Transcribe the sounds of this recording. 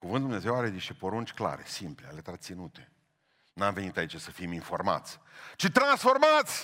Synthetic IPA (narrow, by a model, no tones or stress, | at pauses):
kuvɨnd̪umne̞ze̞waɾed̪iʃepo̞ɾunt͡ʃʲkla̰ɾe̞̰simplea̰let̪ɾat̪sinut̪e̞ | namve̞nit̪ait͡ʃesəfiminfo̞rma̰t̪sʲ | t͡ʃit̪ɾansfo̞rmat̪sʲ